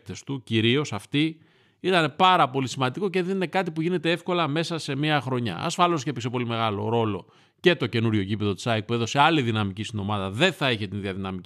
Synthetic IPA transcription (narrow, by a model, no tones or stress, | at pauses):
t̪e̞st̪uciɾio̞sɐft̪i | it̪ɐne̞pɐɾɐpo̞lisimɐnd̪iko̞ceðinene̞kɐt̪ipuʝine̞t̪e̞efko̞lɐme̞sɐse̞miɐxɾo̞ɲɐ̰ɐ̰sfɐlo̞scepekse̞po̞lime̞ɣɐlo̞̰ɾo̞lo̞ | ce̞t̪o̞ce̞nuɾʝo̞cipe̞ðo̞t̪i̥sɐek̚pueðo̞se̞ɐliðinɐmicist̪ino̞mɐðɐðe̞θɐiçe̞t̪inðiɐðinɐmi